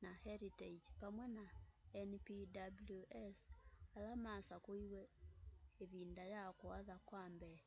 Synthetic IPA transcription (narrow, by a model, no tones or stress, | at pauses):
nahɛɾited͡ʒpamwɛnaɛnpidabluʔɛsalamasakoiwɛ | eβindajakɔaðakwambɛ